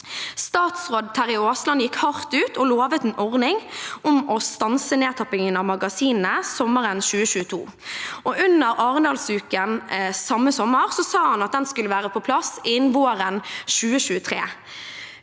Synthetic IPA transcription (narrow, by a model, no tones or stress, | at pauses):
st̪ɑːt̪sʁoːd̪̚t̪ʰæʁɪoːslɑnjɪkhɑʁt̪ʉːt̪ʰɔloːʋət̪ɛnʔɔʁnɪŋɔmɔst̪ɑnsəneːt̪ʰɑpɪŋənɑʋmɑɡɑsiːnn̩əsɔməʁənɕʉːəʃʉːət̪ʰṵː | ɔʔʉnːəɾɑːʁənd̪ɑːlsʉːkənsɑmːəsɔmːəʁsɔsɑːhɑnɑt̪̚d̪ɛnskʉlːəʋæːʁəpʰɔpʰlɑsɪnʋoːʁənʃʉːəʃʉːət̪ʰʁḛː